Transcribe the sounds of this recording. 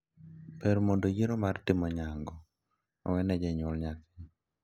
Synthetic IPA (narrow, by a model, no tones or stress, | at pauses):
pɛɾmondojiɾomartɪmɔɲaŋɡɔ | a̰wɛnɛd͡ʒɛɲwɔlɲakɪ